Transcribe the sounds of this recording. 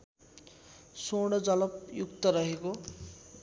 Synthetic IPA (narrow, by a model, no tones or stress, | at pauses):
soɽ̃ʌd͡zʌlʌpjukt̪ʌɾʌɦeko